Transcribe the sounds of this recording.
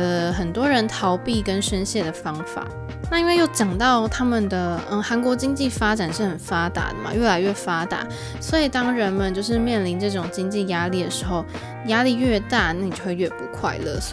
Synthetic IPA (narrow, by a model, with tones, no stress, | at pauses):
lə˦xə˨˩nt̪wɔ˥ɻə˧˦nt̪ʰɑ˧˥ʊpi˥˩kə˦˥nʂə˥nɕjɛ˥˩d̪ə˩fɑ˥ŋfa̰˨˩˦ | na˥˧i˥nwe˥˧ɪjo˥˩ʊt͡ɕjɑ˨˩ŋt̪ɑ˥˩ʊt̪ʰa˥mə˨nd̪ə˩ə˥˧˩xa˧˥nkwɔ˧˥t͡ɕi˥ŋt͡ɕi˥˩fa˥ʈ͡ʂa˨˩nʂɻ̩˥˩xə˨˩nfa˥t̪a̰˨˩d̪ə˨ma̰˨˩ɥɛ˥˩la˧˥ɪɥɛ˥˩fa˥t̪a̰˨˩˦ | swɔ˧˥i˨˩t̪ɑ˥ŋɻə˧˦˥nmə˨nt͡ɕjo˥˧ʊʂ̬ɻ̩˥˧mjɛ˥˩nli˧˥nʈ͡ʂɤ˥˩ʈ͡ʂʊ˨˩ŋt͡ɕi˥ŋt͡ɕi˥˨˩ja˥li˥˩d̪ə˩ʂɻ̩˧˥xo˥˩ʊ | ja˥li˥˧ɥɛ˥˧t̪a˥˧na˥˩ni˨˩t͡ɕo˥˧xwe˥˧ɥɛ˥˩pu˧˥kʰwa̰˥˧ɪlə̰˥˩